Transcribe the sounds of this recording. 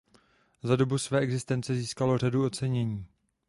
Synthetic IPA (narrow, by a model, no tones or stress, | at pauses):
zado̞busvɛːʔɛɡzɪst̪ɛnt͡sɛziːskalo̞r̝aduo̞t͡sɛɲɛɲiː